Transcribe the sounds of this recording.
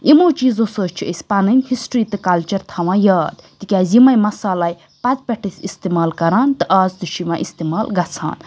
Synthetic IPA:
imoːt͡ʃiːzosoːt͡ʃʰuʔesʲpɐnɨnʲhisʈɾiːt̪ɨkɐlt͡ʃɐɾt̪ʰɐʋãːjaːd̪t̪ikʲaːzimɐjmɐsaːlaːj | pɐt̪pʲɐʈʰit̪ʰist̪emaːlkɐɾaːnt̪ɨʔaːzd̪ɨʃiʋã̰ːʔist̪eːmaːlɡɐt͡sʰa̰ːn

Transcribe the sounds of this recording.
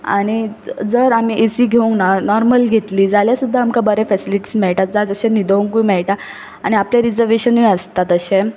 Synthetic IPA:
a̰ɽ̃id͡zəɾam̤iːʔesiːɡʱeũŋknanɔɾməlɡʱet̪liːd͡zaljasud̪ʱːaːmkabəɾɛfɛsiliʈi̥ːsmɛɭʈat̪̚d͡zad͡zəɕẽnid̪əuŋkuimɛɭʈa | aɽ̃iapljaɾid͡zəɾʋeɕənuiəst̪at̪əɕẽ

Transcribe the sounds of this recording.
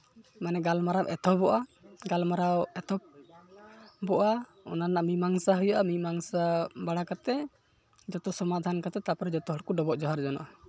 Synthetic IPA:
manɛɡalmaɾawʔɛt̪ʰɔbɔʔaɡalmaɾawɛt̪ʰɔp̚ | bɔʔa | ɔ̰nanaʔamimaŋsaɦɔjaʔamimaŋsabaɽakat̪ɛ | d͡ʒɔt̪ɔsɔmad̪ʱankat̪ɛt̪apɔɾɛd͡ʒɔt̪ɔɦɔɽkuɖɔbɔʔd͡ʒɔɦaɾd͡ʒɔnɔ̰ʔa

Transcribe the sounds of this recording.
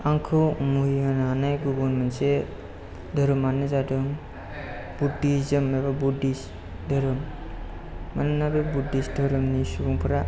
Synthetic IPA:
aŋkʰɯmuɦiananajɡubɔnmanse | dʱəɾɯmanezadɯŋ | b̥udiszɯmːebabudis | dəɾɯmː | anɯnabebudisdʱəɾɯmnisubuŋpʰɯɾa

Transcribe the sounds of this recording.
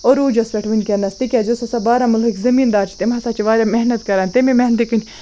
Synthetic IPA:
oɾuːd͡ʒɐspʲeʈʰʋinʲkʲɐnːɐst̪ikʲad͡ʒosɐsabaːɾamulɦikzɐmiːnd̪aːt͡ʃʰi̥t̪emɦɐsaːt͡ʃiʋaːɾʲameɦnɐt̪kɐɾaːnʲt̪emimeɦnt̪ikɨnʲ

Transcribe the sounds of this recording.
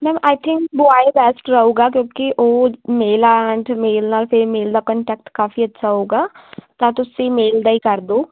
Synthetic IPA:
mɛ̃ːʔaːɪt̪ʰɪ̃ŋkbʊaːebɛːsʈɾəɦũːɡaːk̬jõːkiʔoːmeːlaɛɳɖmeːlnaːlpʰɪɾmeːld̪aːkə̃ːɳʈɛːk̚ʈkaːfiətːʃʰaːɦoːɡaːt̪ãːt̪ʊsemeːld̪aːikəɾd̪oː

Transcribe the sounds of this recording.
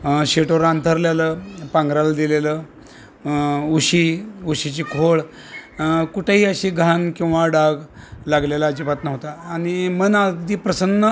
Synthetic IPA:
ɕeʈoɾant̪ʰəɾljaləpãŋɡɾald̪ilelə | uɕiuɕit͡ɕiːkʰoɭ | kuʈʰeɦiːəɕiːɡʱankĩw̃ʋaɖaɡlaɡlalaːd͡ʑipat̪nəɦt̪aːɽ̃imənad̪ʱiːpɾəsənːə

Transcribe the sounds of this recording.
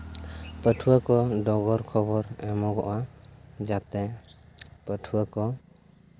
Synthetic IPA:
pəʈʰuwakɔɖɔɡɔɾkʰɔbɔɾɛmɔɡɔ̰ʔwad͡ʒap̚t̪ɛ | pəʈʰuwakɔ

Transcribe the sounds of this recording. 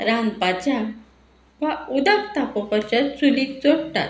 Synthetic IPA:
ɾanpat͡ɕa | ʋaud̪akt̪apɔpat͡ɕat͡sulit͡soɽʈ̪a̰t̪

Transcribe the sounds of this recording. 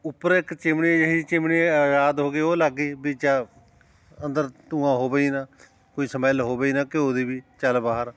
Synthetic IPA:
ʊpːəɾɪkt͡ʃɪmɳiːd͡ʒəɦĩːt͡ʃɪmɳiːaːd͡ʒaːd̪ɦoːɡiːoːləɡiːbiːt͡ʃaː | ənd̪əɾt̪ũːãːɦoːbeiːnaː | koːiːsəməlɦoːbeiːnãːkoːd̪iːbiːt͡ʃəlbaːɦəɾ

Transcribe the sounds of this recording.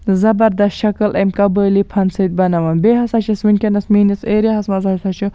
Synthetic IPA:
zɐbɐɾd̪ɐsʃɐkɐlʔemkɐbəːlipʰɐnsit̪̚bɐnɐʋɐnbeːɦɐsɐt͡ʃʰisʋinkʲenɐsmiːniseːɾɐɦɐsmɐzɐsɐt͡ʃʰu

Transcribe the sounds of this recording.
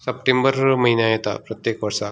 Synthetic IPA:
sɐp̚ʈembɐɾmɐɦinaːjet̪a̰pɾɐt̪jeːkʋɐɾsaː

